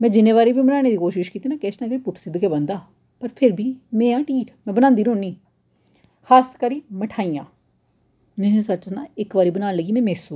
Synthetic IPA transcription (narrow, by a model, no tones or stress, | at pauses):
mɛ̃ːd͡ʒɪnːẽːʋaːɾiːbiːməʈaːñeːd̪iːkoːʃɪʃkiːt̪iːnãːkɪɪsnãːkɪːpʊʈʰsɪd̪keːbənd̪aː | pəɾpʰɪɾbʱiːmẽːãːʈiːʈmɛ̃ːbənãːnd̪iːnõːniː | kʰaːskəɾiːməʈʰaːiːjãː | mɛ̃sət͡ʃnãːɪkʋaːɾiːbənaːnləɡiːmɛ̃ːmɛːsuː